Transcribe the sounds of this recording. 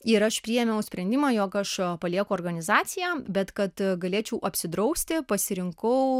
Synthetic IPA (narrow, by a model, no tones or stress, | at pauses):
ɪɾɐʃpʲɾʲijɛmʲɛʊsʲpʲɾʲɛnʲd̪ʲɪmɑːjoːkɐʃpɐlʲiɛkʊoːrɡɐnʲɪzɑːsʲɪjæːbʲɛt̪kɐt̪ɡɐlʲeːt͡ʃʲɛʊʔɐpʲsʲɪd̪ɾɐʊsʲt̪ʲɪpɐsʲɪɾʲɪŋkɐʊ